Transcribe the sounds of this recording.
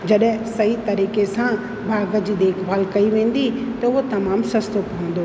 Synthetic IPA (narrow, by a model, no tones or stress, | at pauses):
d͡ʑɐɗɦɪ̃sɐɦit̪ɐɾiːkesã | bʱaːɡə̆d͡ʑiːd̪eːkʰbaːlkɐiʋẽːn̆d̪it̪ɐʊɦot̪ɐmaːmsɐst̪opɐə̃nd̪o